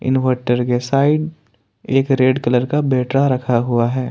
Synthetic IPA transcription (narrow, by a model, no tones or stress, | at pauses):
ɪ̰nʋəʈːəɾkesaːɪɖ | eːkɾeːɖkɐləɾkabeːʈɾaɾɐkʰaɦuaɦɛː